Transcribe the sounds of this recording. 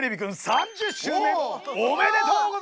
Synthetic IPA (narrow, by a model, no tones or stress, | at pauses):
ɾebʲikɯ̃nsãɲd͡ʑɨɕɨːẽomed̪et̪ok